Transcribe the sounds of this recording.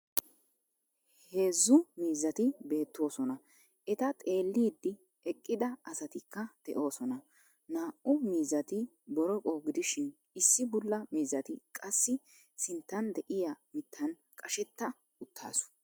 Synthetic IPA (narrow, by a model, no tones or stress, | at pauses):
he̞ːzːʊmiːzːɐt̪ɪbe̞ːt̪ːo̞ːsɔnɐ | ʔɛt̪ɐt̪ʼe̞ːlːiːd̪ːɪ | ɛkʼːɪd̪ɐɐsɐt̪ɪkːɐd̪̥ɛʔo̞ːsɔnɐ | naːʔʊmiːzɐt̪ɪ | bɔɾɔkʼoːɡɪd̪ɪʃɪn | ɪsːɪbʊlːɐmiːzːɐt̪ɪkʼɐsːɪ | sɪnt̪ːɐnd̪ɛʔɪjɐmɪt̪ʰːɐn | kʼɐʃɛt̪ːɐ | ʊt̪ʰːa̰ːsʊ̥